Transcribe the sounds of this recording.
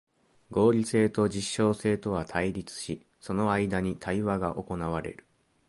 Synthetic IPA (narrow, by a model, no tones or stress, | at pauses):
ɡo̞ːɾʲise̞ːt̪o̞d͡ʑiɕːo̞ːse̞ːt̪o̞βat̪ʰaiɾʲit͡sɨ̥ɕi | so̞no̞aid̪aɲ̟it̪ʰaiβaɡaʔo̞ko̞naβ̞aɾe̞̰ɾɯ̟̥